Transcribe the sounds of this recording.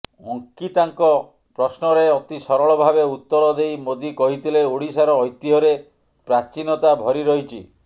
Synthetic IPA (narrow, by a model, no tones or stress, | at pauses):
ɔŋkit̪aŋkɔ | pɾɔsnɔɾeɔt̪isɔɾɔɭɔbʱabeut̪ːɔɾɔd̪ejmod̪ikɔɦit̪ʰileoɽisaɾɔːjt̪ːiɦɔɾe | pɾat͡ʃinɔt̪abʱɔɾiɾɔɦit͡ʃʰḭ